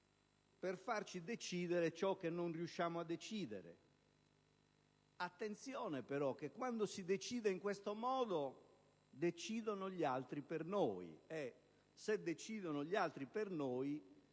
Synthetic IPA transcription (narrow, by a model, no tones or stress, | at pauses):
perfart͡ʃid̪et͡ʃiːd̪eɾet͡ʃɔk̟ːenːonriuʃːaːmoad̪ːet͡ʃiːd̪ḛɾḛ | at̪ːent̪sjɔːnepɛɾɔk̟ːekːwand̪osid̪et͡ʃiːd̪eiŋkwest̪omɔːd̪o | d̪et͡ʃiːd̪onoʎalt̪ɾipernoːj̰ɛ | sed̪ːet͡ʃiːd̪onoʎialt̪ɾipernoːj